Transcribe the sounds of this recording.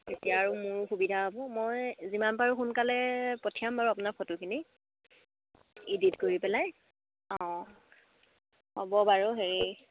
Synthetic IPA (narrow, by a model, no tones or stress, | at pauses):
etijaːɹʊmʊɹxubidʱaɦɔbɔmojzimanpaɹuxunkalɛpɔtʰijambaɹuapʊnapʰɔtʊkʰini | iditkoɹipɛlaj | ɔ̃ | hɔbɔbaɹɔɦeɹi